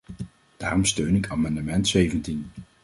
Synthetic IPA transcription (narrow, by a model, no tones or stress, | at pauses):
d̥a̰ːrɔmstøɥnɪkaːmɑndəmɛntsejvəntin